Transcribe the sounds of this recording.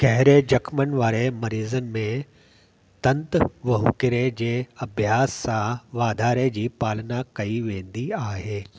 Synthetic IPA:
ɡɐɦɪɾed͡ʑɐkʰmənɪʋaːɾemɐɾiːzənɪ̆mẽ | t̪ɐ̃nt̪ʋɐɦukɪɾed͡ʑeːɐbʱjaːsːãʋaːd̪ʱaːɾed͡ʑiːpaːlnakɐiʋẽːnd̪iaːɦeː

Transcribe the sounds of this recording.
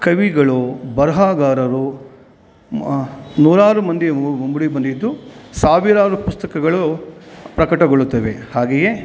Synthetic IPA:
kɐʋiɡɐɭubɐɾɐɦaːɡaːɾɐɾu | nuːɾaːɾumɐnd̪iumbuɽibɐnd̪id̪ːusaːʋiɾaːɾupust̪ɐkɐɡɐɭu | pɾɐkɐʈɐɡoɭut̪ːɐʋe̞haːɡeje

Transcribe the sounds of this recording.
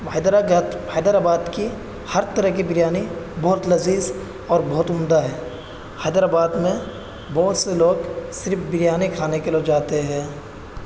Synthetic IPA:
ʋaɪd̪ɾaɡət̪ʋaːd̪əɾaːbaːd̪ki | həɾt̪əɾəɦkibɪɾjaːnibɔːʊt̪lɐziːz | ɔːɾbɔɦʊt̪ʊmd̪aɦɛː | aːd̪əɾaːbaːd̪mẽ | bɔːt̪seloːɡsɪɾfbɪɾjaːnikʰaːnekelod͡ʒaːt̪eɦɛ̃ː

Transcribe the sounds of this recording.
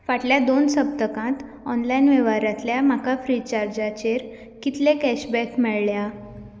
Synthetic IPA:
ʋaʈljad̪onsəp̚t̪əkãt̪ | ɔnlajnʋeʋaɾãt̪ljam̤akafɾit͡ɕaɾd͡ʑat͡ɕeɾ | kit̪lekɛɕbɛkmɛɭɭja

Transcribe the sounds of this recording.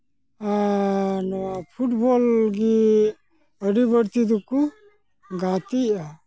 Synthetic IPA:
anɔwapʰuʈbɔlɡi | əɽibəɽt̪id̪uku | ɡat̪ia

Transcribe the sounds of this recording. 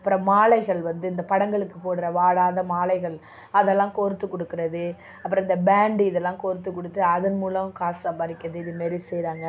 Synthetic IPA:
ɐpːɯɾɐ̃maːlɐɪɣɐɭʋɐnd̪ɯɪnd̪ɐpɐɽɐŋɡɐɭɯkːɯ̥poːɽɯɾɐʋaːɽaːðɐmaːlɐɪɣɐɭ | ɐðɛlːãːkoɾɯt̪ːɯkːɔɽɯkːɪɾɐðɯ | ɐpːɯɾɔ̃ɪnd̪ɐbaːɳɖiɪðɛlːãːkoɾɯt̪ːɯkːɔɽɯt̪ːɯɐðɐnmuːlɐʋɯ̃kaːsɐmbɐɾɪkːɐðɯɪðɯmɛːɾisɛjɾaːŋɡɐ

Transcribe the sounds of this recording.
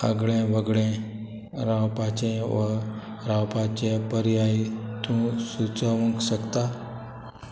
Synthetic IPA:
ə̰ɡɭẽʋəɡɭẽ | ɾãwpãt͡ɕẽʋə | ɾãwpãt͡ɕẽpəɾiait̪ũsut͡səʋə̃ŋkɕəkt̪a

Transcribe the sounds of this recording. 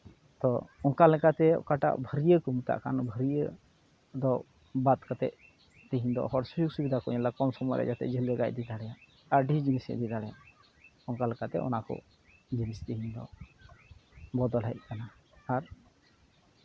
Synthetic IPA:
t̪ɔɔŋkalɛkat̪ɛɔ̰kaʈa̰ʔbʱəɾijəkɔmut̪a̰ʔkanbʱəɾijə | d̪ɔ | bat̪̚kat̪ɛ̰ʔ | t̪iɦĩnd̪ɔ̰ɦɔɾsujuɡ̚subid̪ʱakɔɲɛlakɔmsɔmɔɾʔɛ̰ʔd͡ʒat̪ɛ̰ʔd͡ʒələɡa̰c̚d̪id̪aɽɛja | aɾɖid͡ʒinisɛ̰ʔd̪id̪aɽɛjaʔ | ɔŋkalɛkat̪ɛ̰ɔ̰nakɔ̰ | d͡ʒinist̪iɦind̪ɔ̰ | bɔd̪ɔlɦɛʔ̚kanaːɾ

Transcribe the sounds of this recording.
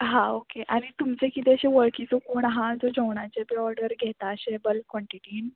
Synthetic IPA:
ɦãokeʔaɽ̃it̪umt͡sekit̪eəɕeʋəɭkit͡sokoːɳɦãd͡zod͡ʑəʋɳat͡sebiɔɾɖəɾɡʱɛt̪aəɕebəlkʋɔɳʈiʈiːn

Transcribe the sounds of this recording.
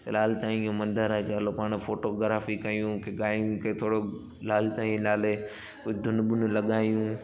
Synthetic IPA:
laːlɪt̪aːĩjũmɐ̃nd̪əɾakeɐlopaːɽ̃foːʈoɡɾaːfikɐijũkʰeɠaːjiũkʰet̪ʰoːɽo | laːlɪt̪aːĩlaːle | ʊd̪ʱʊnɓʊnʊlɐɠaːijũ

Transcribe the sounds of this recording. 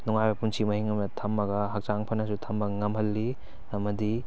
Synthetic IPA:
nuŋajbɐpunsimɐhiŋɐmnɐtʰɐmːɐɡɐɦak̚t͡ʃaŋpʰɐnɐs̬utʰɐmbɐŋɐmɦɐlːi | ɐmɐdi

